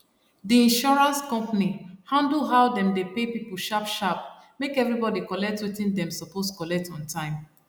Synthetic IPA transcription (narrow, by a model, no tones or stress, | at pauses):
diĩnʃɔɹãnskɔ̃mpanihãndl̩ɦaʊdɛ̃mdepepipl̩ˠʃapʃap̚ | mekɛvɹibɔdikɔlɛk̚twitĩndɛ̃msɔposkɔlɛk̚tɔ̃ntʰãɪ̃m